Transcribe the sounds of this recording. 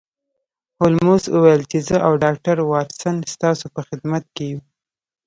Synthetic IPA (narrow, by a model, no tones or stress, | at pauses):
holmoswəwajəlt͡ʃezəʔawɖɑk̚ʈaɾwɑɾsanst̪ɑsopəxɪd̪mat̪̚keju